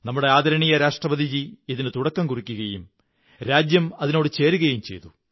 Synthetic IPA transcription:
nɐmːuɽe̞aːd̪ʱɐɾɐɳijɐɾaːʂʈrɐbɐd̪ʱid͡ʑiiðinɨt̪uɽɐkːɐmkurikʲːuɣɐjum | ɾaːd͡ʑjɐmɐðino̞ːɽɨt͡ɕe̞ːɾuɣɐjumt͡ɕe̞jt̪u

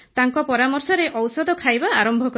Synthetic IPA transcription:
t̪aŋkɔpɔɾamɔɾsɔɾeʔɔwsɔd̪ʱɔkʰajbaːɾɔmbʱɔkɔ

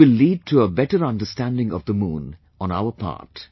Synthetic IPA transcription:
ɪlːiːɖ̚ʈʰuəbɛʈəɾʌ̃nɖəstæ̃nɖɪ̃ŋɔvd̪əmũːn | ɔ̃na̰ʊəpʰɑ̰ːɾʈ

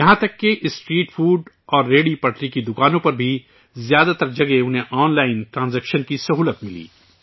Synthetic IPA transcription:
jɐɦãt̪ɐkːeʔɪsʈɾiːʈfʰuːɖ | ɔːɾːeːɽipɐʈɾikid̪ʊkaːnõpɐɾbʱi | zjaːd̪at̪ɐɾd͡ʒɐɡeʊnɦẽʔɔːnlaːɪnʈɾãːnzɛːkʃənkisɐɦuːlət̪mɪlḭː

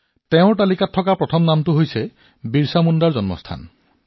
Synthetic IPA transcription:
teʊ̃ʈalikatʰːɔkapɹɔt̪ʰɔmnamtuɦojse | biɹsamundaɹzɔnmɔ̰st̪ʰa̰n

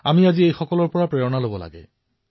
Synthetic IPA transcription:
amiaziejxɔkɔlɔɹpɔɹapɹɛɹɔnalobɔla̰ɡɛ̰

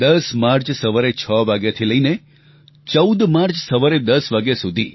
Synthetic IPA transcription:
d̪əsmaɾt͡ʃsəʋaɾet͡ʃʰəʋaɡjat̪ʰiləine | t͡ʃəud̪maɾt͡ʃsəʋaɾed̪əsʋaɡjasud̪ʱḭ

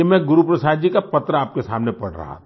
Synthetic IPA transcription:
emɛ̃ɡʊɾupɾəsaːd̪̚d͡ʒikapɐt̪ɾəaːp̚kesaːmnepɐɽ̤ɾɐ̰ɦa̰

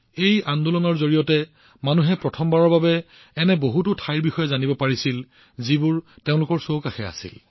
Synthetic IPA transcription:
ejandulɔnɔɹzoɹijɔtɛ | manuɦɛpɹɔtʰɔmbaɹɔɹbabɛː | nɛboɦutʊtʰajɹbixɔjɛzanibɔpaɹisil | zibʊɹ | teʊ̃lʊkɔɹsowkaxɛa̰sḭl

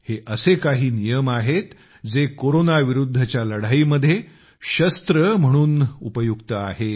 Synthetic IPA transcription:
heʔəsekaɦiːnijəmaɦet̪ | d͡zekoɾonaʋiɾud̪ʱːət͡ɕjaləɽ̤aiːməd̪ʱje | ɕəst̪ɾəm̤əɽ̃uːnupəjuɡt̪əa̰ɦe

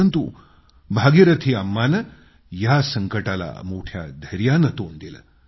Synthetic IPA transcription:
ənt̪u | bʱaɡiɾɐt̪ʰiamːanə | jasəŋkəʈala̰moʈʰja̰d̪ʱəɾjanət̪ond̪ilə̰

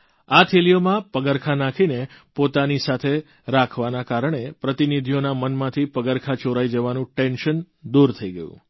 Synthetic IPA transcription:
at̪ʰilijomãpəɡəɾkʰanakʰinepot̪anisat̪ʰe | ɾakʰʋanakaɾɳ̃epɾət̪inid̪ʱijonamənmãt̪ʰipəɡəɾkʰat͡ʃoɾaid͡ʒəʋanũʈenʃən | d̪uɾt̪ʰəiɡəjṵ̃

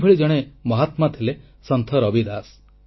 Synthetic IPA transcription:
bʱeɭid͡ʒɔɽ̃emɔɦat̪mat̪ʰile | sɔnt̪ʰɔɾɔbid̪as

